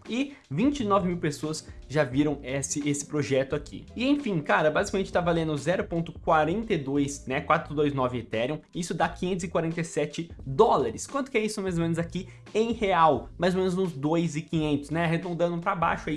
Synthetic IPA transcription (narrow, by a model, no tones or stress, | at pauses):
ɪvĩɲt͡ʃɪnɔvɪmiwpesoɐsʒaviɾɐ̃w̃ɛsɪesɪ̥pɾoʒɛt̪ʊakʰḭɪẽfĩkaɾɐbazikamẽnt͡ʃɪ̥t̪avalẽnd̪ʊzɛɾʊpõnt̪ʊkwaɾẽnt̪ejd̪ojsnɛkwat̪ɾʊd̪ojznɔvɪet̪ɛɾiɐ̃w̃isʊd̪akĩɲẽnt̪ʊzɪkwaɾẽnt̪ejsɛt͡ʃɪd̪ɔlaɾɪskwɐ̃nt̪ʊ̥kɪɛisʊmajzomẽnʊzaki | ẽj̃heawmajzomẽnʊzʊ̃zd̪ojzɪkĩɲẽnt̪ʊ̥snɛɦed̪õnd̪ɐ̃nd̪ʊpɾaba̰jʃʊai